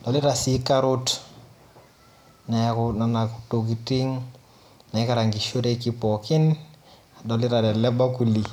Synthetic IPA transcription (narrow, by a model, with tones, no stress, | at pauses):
dɔ˨lɪ˦ɾa˨si˦ka˦ɾʊ˦t | na˨kna˨naku̥to˨k̬i˨ti˦ŋ | na˨ɪ˦ka˦ɾa˨ŋɡi˨ʃo˦ɾe˦ki˦pɔ˨kɪ˦n | a˨dɔ˨lɪ˦ɾa˨ɾɛ˨lɛ˦ba˦ku˨li˨k